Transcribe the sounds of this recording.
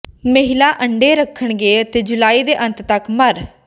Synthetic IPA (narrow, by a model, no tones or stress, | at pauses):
məɦɪlaːʔəɳɖeːɾəkʰːəɳɡeːət̪eːd͡ʒʊlaːiːd̪eːʔə̃nt̪t̪əkməɾ